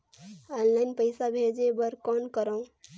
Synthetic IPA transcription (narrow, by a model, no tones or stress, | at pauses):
ɔnlaɪnpəɪsabʱed͡ʒebəɾkɔnkəɾə̃